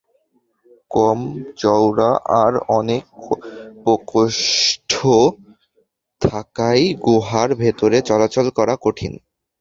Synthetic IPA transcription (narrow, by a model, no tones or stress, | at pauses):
kɔmt͡ɕɔwɽaʔaɾɔnek̚pokoʃʈʰo | t̪ʰakajɡoɦaɾbʱet̪oɾet͡ɕɔlat͡ɕolkɔɾakoʈʰḭn